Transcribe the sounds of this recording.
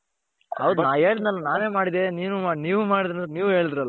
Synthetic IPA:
hɐʋd̪unaːeːɭid̪nɐlːɐnaːne̞ːmaːɽid̪eniːnumaniːʋumaːɽid̪ɐnt̪niːʋuɦeːɭid̪iɾɐlːa

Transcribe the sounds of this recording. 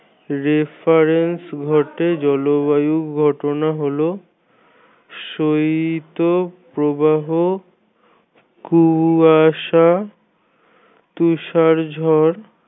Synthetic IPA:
ɾefʰaɾensɡʱɔʈed͡ʑɔloβajukɡʱɔʈonaɦolo | ʃoit̪opɾobaɦo | kuaʃa | t̪uʃaɾd͡ʑʱɔɾ

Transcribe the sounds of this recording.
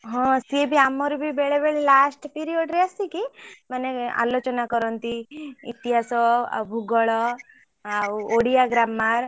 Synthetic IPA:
ɦɔ̃sebʱiamɔɾubʱibeɭebeɭelasʈpiɾiɔɖɾeasikimanea̰lot͡ʃɔnakɔɾɔnt̪iit̪iɦasɔ̰bʱuɡɔɭɔ | awuoɽijaɡɾamːaɾ

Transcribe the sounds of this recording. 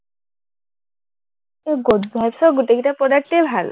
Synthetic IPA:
eɡotbʱajbsɔɡutekitapɔdak̚tebʱal

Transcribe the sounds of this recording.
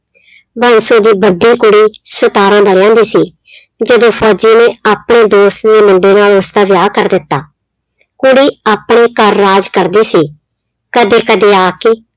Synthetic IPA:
bənsoːd̪iːbəɖiːkʊɽiːsət̪aːɾãːd̪aːɾjãːnd̪iːsiː | d͡ʒəd̪õːpʰɔːd͡ʒinẽːaːpɳeːd̪oːst̪d̪eːmʊɳɖeːnaːləst̪aːʋɪjaːkəɾd̪ɪt̪ːaː | kʊɽiːaːpɽeːkəɾːaːd͡ʒkəɾd̪iːsiː | kəd̪eːkəd̪eːaːkeː

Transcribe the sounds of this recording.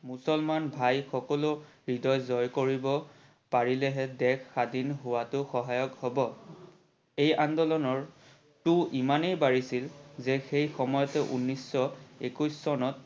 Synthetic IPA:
musɔlmanbʱajxɔkɔlʊ | ɹidɔjzɔjkoɹibɔ | paɹilɛɦɛdɛkʰːadinɦʊwatʊxɔɦajɔkhɔbɔ | ejandɔlɔnɔɹ | tʊʔimanejbaɹisilzɛxejxɔmɔjɔtɛʔunːisːɔekujsːɔnɔt̚

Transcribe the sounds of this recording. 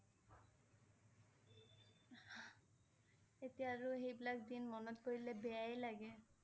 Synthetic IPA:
etijaːɹuxejbilakdinmɔnɔtkoɹilɛbɛajlaɡɛ

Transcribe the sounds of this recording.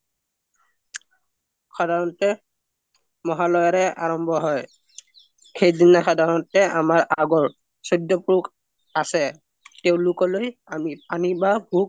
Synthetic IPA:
xɔdʱaɹɔntɛ | mɔɦalɔjaɹɛʔa̰ɹɔmbʱɔɦɔj | xejdinaxɔdʱaɹɔntɛamaɹaɡɔɹ | sodːɔpuk | asɛ | teʊ̃lʊkɔlojamip̚anibabʱuk̚

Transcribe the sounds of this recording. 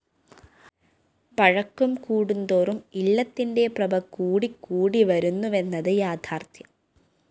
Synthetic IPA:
pɐɻɐkːumkuːɽund̪oːrumilːɐt̪ːinde̞prɐbʱɐkːuːɽikːuːɽiʋɐɾunːuʋe̞nːɐðɨjaːd̪ʰʱaːrt̪ʰjɐ

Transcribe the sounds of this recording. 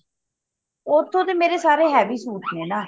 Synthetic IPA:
ot̪ʰːõːt̪eːmeːɾeːsaːɾeːɦɛːbiːsuːʈʰneːnaː

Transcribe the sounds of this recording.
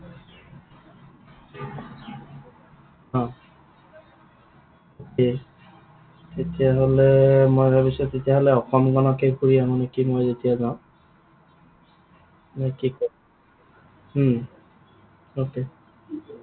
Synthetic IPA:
ɦã | oke | tet̪iaɦolemojbʱɛbiʃet̪et̪iaɦoleɔkɔmɡɔnɔkekʰuɾijamɔnekimojzet̪ijazaʊ̃ | makikɔ | oke

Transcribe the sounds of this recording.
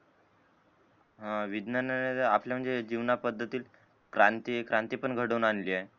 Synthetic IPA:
ɦãʋid̪nənneapljam̤əɳd͡zed͡ʑiʋnapəd̪ʱːət̪iːl | kɾant̪ikɾant̪ipəɳɡʱəɽəunanliːa

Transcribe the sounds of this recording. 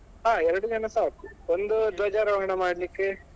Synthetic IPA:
ɦaːɛɾɐɽud͡ʒɐnɐsaːkuond̪ud̪ʋɐd͡ʒaːɾɐʋaɳɐmaːɽlikːe

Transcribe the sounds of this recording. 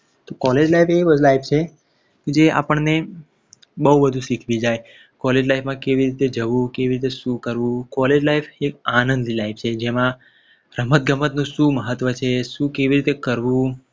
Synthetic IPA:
t̪okɔled͡ʒlaifeʋəd͡ʒlaipʰt͡ʃʰe | ked͡ʒea̰pəɳne | bəɦubəd̪ʱũʃikʰʋid͡ʒaj | kɔled͡ʒlajfmãkeʋiɾit̪ed͡ʒəʋũkeʋiɾit̪eʃũkəɾʋũkɔled͡ʒlaifekanənd̪ilaip̚ʰt͡ʃʰed͡ʒemã | ɾəmət̪̚ɡəmət̪nũʃũməɦət̪ʋət͡ʃʰeʃũkeʋiɾit̪ekəɾʋũ

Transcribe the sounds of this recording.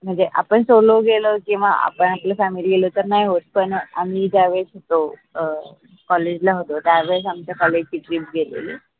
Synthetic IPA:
m̤əɳd͡zeʔa̰pəɳsoloɡelokĩwʋaʔa̰pəɳaplafæmiliɡelot̪əɾnaɦiɦot̪̚pəɳa̰mid͡ʒaʋesɦot̪o | kɔled͡ʑlaɦot̪ot̪jaʋesamt͡ɕakɔled͡ʑkiʈɾip̚ɡelḛlḭ

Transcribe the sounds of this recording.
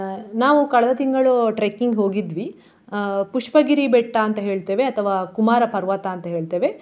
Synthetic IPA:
naːʋukɐɭɐd̪ɐt̪iŋɡɐɭuʈɾekiŋɡɦo̞ːɡid̪ʋi | puʂpɐɡiɾibɛʈːaːnt̪ɐɦe̞ːɭt̪e̞ːʋeɐt̪ʰɐʋaːkumaːɾɐpɐɾʋɐt̪ɐːnt̪ɐɦeːɭt̪e̞ːʋe

